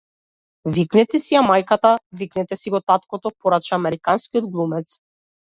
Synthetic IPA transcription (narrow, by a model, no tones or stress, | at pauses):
viknɛt̪ɛsiamajkat̪aviknɛt̪ɛsiɡɔt̪at̪kɔt̪ɔpɔɾat͡ʃaːmɛɾikanskiɔd̪ɡlˠumɛt̪s